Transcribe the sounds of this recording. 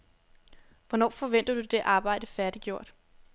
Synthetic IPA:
ʋɒnɒ̰ːfɒ̽ʋen̰d̥ɐd̥ud̥e̝ʔɑ̈ːb̥ɑ̈ɪ̰d̥əfæɐd̥iɡ̥jo̝ɐ̰d̥

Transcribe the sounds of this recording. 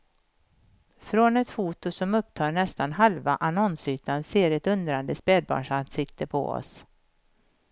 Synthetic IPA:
fɾɔnɛt̪fuːt̪ʊsɔmɵp̚ːt̪ʰɑːɳɛst̪anɦalvaʔanɔnsyːt̪ʰanseːɾɛt̪ɵnd̪ɾand̪əspɛːd̪̚bɑ̰ːɳʂansɪk̚t̪ʰəpʰɔ̰ɔ̰s

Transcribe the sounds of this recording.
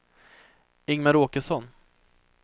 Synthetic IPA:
ɪŋmaɾoːkəʂɔn

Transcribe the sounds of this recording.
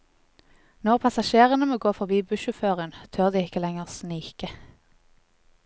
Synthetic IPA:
nɔʁpʰɑsɑʃeːʁənəmoːɡoːfɔʁbiːbʉʃʊføːʁənt̪ʰøːʁd̪iːɪkəlɛŋəʁsniːkə

